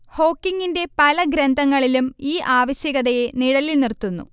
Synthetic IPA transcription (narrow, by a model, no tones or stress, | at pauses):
ho̞ːkːiŋːinde̞pɐlɐɡɾend̪ʱɐŋːɐɭilumiːʔaːʋɐɕjɐɣɐðɐje̞niɽɐlilnirt̪ːunːṵ